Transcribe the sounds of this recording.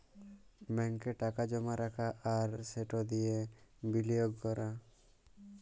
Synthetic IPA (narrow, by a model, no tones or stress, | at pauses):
mɛŋkeʈakad͡ʒɔmaɾakʰaʔaɾseʈɔd̪ijebilijoɡkɔɾʔa